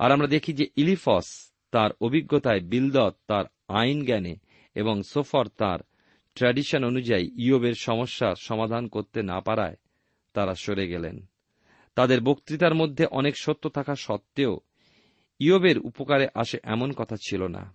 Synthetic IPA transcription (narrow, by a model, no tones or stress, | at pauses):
a̰ɾamɾad̪ekʰid͡ʑeʔilifɔs | t̪aɾobʱiɡːot̪aebild̪ɔt̪t̪ːaɾ | ajnɡɛne | eboŋsofaɾt̪a̰ɾ | ʈɾɛɖiʃononud͡ʑaiiobeɾʃɔmoʃːaɾʃɔmad̪ʱankoɾt̪ena̰paɾa̰e | t̪aɾaʃoɾeɡɛlḛn | t̪ad̪eɾbokt̪ɾit̪aɾmod̪ʱːeʔɔnekʃot̪ːot̪ʰakʰaʃɔp̚t̪ːeo | iobeɾṵpokaɾeʔaʃeʔɛmonkɔt̪ʰat͡ɕʰilona̰